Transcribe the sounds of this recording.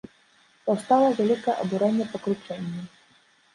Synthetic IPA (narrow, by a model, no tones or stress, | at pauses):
pɐwst̪alˠɐvʲalʲikɐɛʔɐbuɾɛnʲːɛpɐkɾut͡ʂɛnʲːu